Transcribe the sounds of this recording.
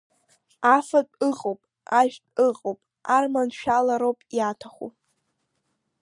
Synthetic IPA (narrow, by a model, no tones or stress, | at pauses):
afat͡pʼɨqʼowpʼ | aʒᶣpʼɨqʼowpʼ | armanʃᶣalaɾowpʼjatʰaχṵ